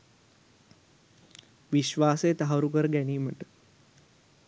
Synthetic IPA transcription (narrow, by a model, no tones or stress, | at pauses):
ʋiʃʋaːsejːt̪aɦɐɾukəɾəɡæniːməʈə̥